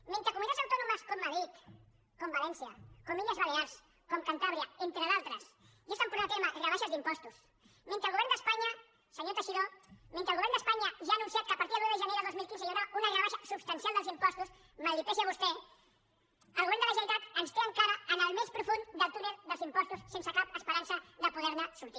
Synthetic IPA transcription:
ment̪ɾəkumunit̪asawt̪ɔnuməskomːəðɾit̪ | kombalɛnsiɐ̰komiʎəzβaleals | komkant̪aβɾiaent̪ɾəðalˠt̪ɾəs | jest̪ampuɾaat̪emarəβaʃazd̪impɔst̪us | mẽnt̪ɾəlˠɣuβɛɾnd̪əspaɲɐ | səɲot̪əʃiðomẽnt̪ɾəlˠɣuβɛɾnd̪əspaɲɐʒaːnũnsiat̪̚kəːpaɾt̪iðəuwðəʒəneðəlˠd̪ozmilˠkinzəʎəβɾaunərəβaʃasupst̪ɐnsialˠd̪əlˠzimpɔst̪us | malip̪esaβust̪ɛ | əlˠɣuβɛnd̪ələʒəɾit̪at̪ənst̪eəŋkaɾəːnəlˠmespɾufund̪əlˠt̪uɾəðəlˠzimpɔst̪ussensəkap̚əspəɾansəðəpuðɛɾnəsuɾt̪i

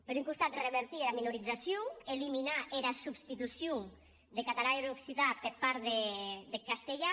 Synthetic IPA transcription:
peɾuŋkust̪at̪reβeɾt̪ieɾaminuɾid͡zasjoeliminaʔeɾasubst̪it̪usju | d̪ekat̪alaeɾoksiðapeɾpaɾðeðekast̪eʎa

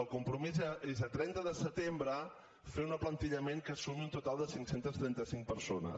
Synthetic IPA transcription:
əlˠkumpɾumizəezət̪ɾɛnt̪əðəsət̪embɾə | feunəplənt̪iʎəmeŋkəsumiunt̪ut̪alˠd̪əsiŋksent̪əst̪ɾɛnt̪əsiŋk̚pəɾsonə̰s

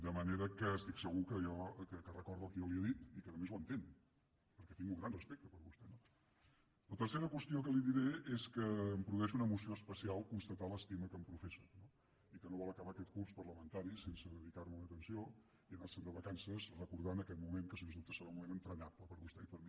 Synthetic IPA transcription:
d̪əməneɾəkəːst̪iksəɣukəjɔkəkərəkɔɾðuəlˠkəjɔliəðit̪ikənəmezwənt̪en | pəɾkɛt̪iŋɡuŋɡɾanrəspek̚t̪əpəɾβust̪ɛno | lət̪ərseɾəkwəst̪ijokəliðiɾeeskəːmpɾuðuɛʃunəmusioəspəsialˠkunst̪ət̪aləst̪iməkəmpɾufesuno | ikənoβɔlˠəkəβakɛt̪̚kuspəɾləmənt̪aɾisensəðəðikarməunət̪ənsio | iənarsənd̪əβəkansəzrəkuɾð̞anəkɛt̪mumeŋkəsensut̪əseɾumumenənt̪ɾəɲapləpəɾβust̪ɛipəɾmi

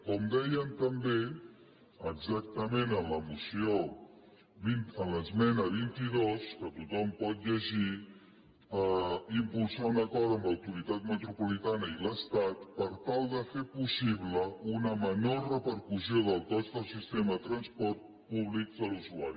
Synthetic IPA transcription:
kɔmd̪ɛjəmt̪əmbe | əɡzak̚t̪əmẽnənləmusio | βinələzmɛnəβ̞int̪iðoskət̪ut̪ɔmpɔt̪̚ʎəʒi | əimpulˠsaunəkɔɾðəmbləwt̪uɾit̪at̪̚mət̪ɾupulit̪anəiləst̪at̪pəɾt̪alˠd̪əfepusiβləunəmənorəpəɾkusioðəlˠt̪ɔzt̪əlˠsist̪emət̪ɾənspɔɾt̪̚ | puβlik̚d̪əluzuaɾi

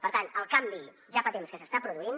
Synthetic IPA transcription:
pəɾt̪anəlˠkambi | ʒapət̪emskəsəst̪apɾuðuin

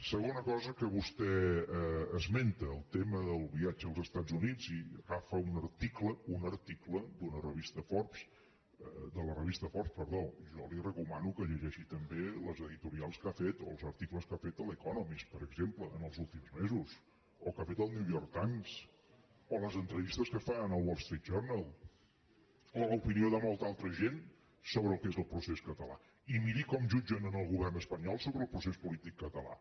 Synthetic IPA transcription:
səɣ̞onəkɔzəkəβust̪ɛ | əzment̪əːlˠt̪eməðəlˠβiad͡ʒəːlˠzəst̪azunid͡ziɣafəunəɾt̪ikləunəɾt̪ikləd̪unərəβist̪əfɔɾps | d̪ələrəβist̪əfɔɾpspəɾðoʒɔlirəkumanukəʎəʒɛʃit̪əmbeləzəðit̪uɾialˠskafet̪o̰lˠzəɾt̪ikləskafet̪əlˠəkɔnɔmispəɾəɡzempləənəlˠzulˠt̪imzmezus | okafet̪əlˠniwjɔɾk̚t̪ams | oləzənt̪ɾəβist̪əskəfaənəlˠwɔlˠst̪ɾit̪ʒɛɾnəlˠ | oləupinioðəmɔlˠt̪alˠt̪ɾəʒen | soβɾəlˠkezəlˠpɾuseskət̪əla̰ | imiɾikɔmʒud͡ʒənənəlˠɣuβɛrnəspəɲɔlˠsoβɾəːlˠpɾusespulit̪ikːət̪əla̰

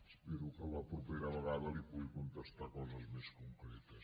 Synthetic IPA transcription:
speɾukəllɐpɾupeɾɐβəɣaðɐlipujkunt̪est̪akɔzɐzmeskuŋkɾet̪ə

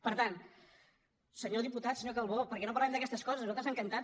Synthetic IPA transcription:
pəɾt̪an | səɲoðiput̪at̪səɲokəlˠβopəɾkɛnopɐɾlaɛmd̪əkɛst̪əskɔzəsnualˠt̪ɾzaŋkənt̪a

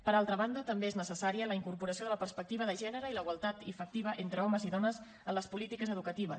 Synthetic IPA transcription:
pəɾalˠt̪ɾəβand̪ət̪əmbeeznəsəsaɾiələiŋkuɾpuɾəsioðələpəɾspək̚t̪iβəðəʒɛnəɾəiləiɣwəlˠt̪at̪ifək̚t̪iβ̞əʔent̪ɾəɔməziðɔnəz | ənləspulit̪ikəzəðukət̪iβ̞ə̰

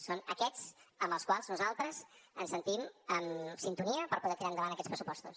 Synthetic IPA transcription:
sonəkɛt͡səmbəlˠskwalˠznuzalˠt̪ɾəzənsənt̪iməmsint̪uniəpəɾpuðɛt̪iɾaənd̪əβanəkɛt͡spɾəsu̥pɔst̪ṵs

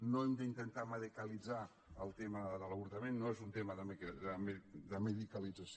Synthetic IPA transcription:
noemd̪əint̪ənt̪aməðekəlid͡za | əlˠt̪eməðəðələβuɾt̪əmenːoezunt̪eməðəmeðəmd̪əməðikəlid͡zəs

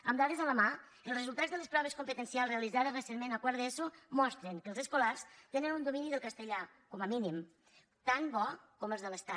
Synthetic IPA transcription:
əmd̪aɾezaləma | əlˠzrəzulˠt̪ad͡zðələspɾɔβ̞eskompət̪ənsialˠzreaəlizaðezresenmenakwaɾðɛsumɔst̪ɾeŋkəlˠzəskolarst̪enənund̪ominiðəlˠkəst̪əʎa | kɔməminim | t̪anbɔkɔməlzðələst̪a

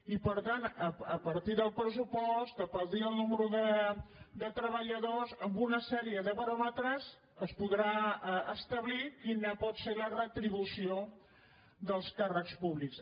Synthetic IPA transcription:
ipəɾt̪anəəpəɾt̪iðəlˠpɾəs̬upɔst̪əpəðiəlˠnuməɾuðə | d̪ət̪ɾəβəʎəðozəmbunəsɛɾiəðəβəɾɔmət̪ɾəz | əspuðɾaəst̪əβlikinapɔt̪selərət̪ɾiβ̞usio | ðəlˠskarəkspuβliks

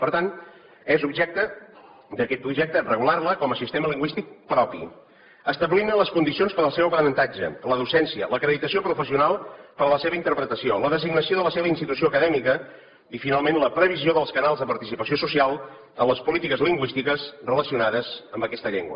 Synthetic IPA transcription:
pəɾt̪an | ezubʒɛk̚t̪ə | d̪əkɛt̪̚pɾuʒɛk̚t̪ərəɣularləkɔməsist̪eməliŋɡwist̪ik̚pɾɔpḭ | əst̪əβlinələskund̪isionspəɾəlˠsɛwpɾənənt̪ad͡ʒə̰ləðusɛnsiələkɾəðit̪əsiopɾufəsiunalˠpəɾələseβint̪əɾpɾət̪əsioləðəziɡnəsioðələseβəinst̪it̪usioəkəðɛmikə | ifinalˠmenləpɾəβ̞izioðəlˠskənalˠzðəpəɾt̪isipəsiosusialˠ | ənləspulit̪ikəzliŋɡwist̪ikəzrələsiunaðəzəmbəkɛst̪əʎḛŋɡwə̰

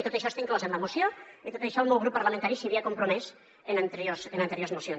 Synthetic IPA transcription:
it̪ot̪ejʃɔest̪aiŋklozẽnlamosjoit̪ot̪eʃɔlˠmowɣɾupːaɾlamẽnt̪aɾisiβiakompɾomɛs | enant̪eɾjosenant̪eɾjoɾzmosjons

